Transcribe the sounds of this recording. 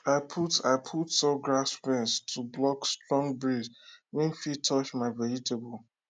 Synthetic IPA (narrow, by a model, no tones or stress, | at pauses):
aɪpʰutaɪpʰutsɔɡɹasfɛ̃nstʰublɔkstɹɔ̃ŋɡbɹizwɛ̃nfitʰɔt͡ʃmaɪvɛɹitebol